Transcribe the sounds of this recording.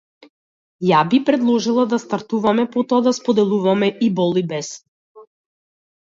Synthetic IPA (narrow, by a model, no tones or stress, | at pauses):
jabipɾɛd̪lˠɔʒilˠad̪ast̪aɾt̪uvamɛpɔt̪ɔad̪aspɔd̪ɛlˠuvamɛʔibɔlˠibɛs